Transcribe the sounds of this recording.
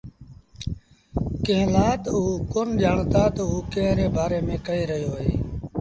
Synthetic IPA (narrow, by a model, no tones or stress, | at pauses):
kẽːlaːt̪əuːkoːnʄaːɳt̪aːt̪əuːkẽːɦɾeːbaːɾeːmẽːkəeːɾəɦjoːɦḛː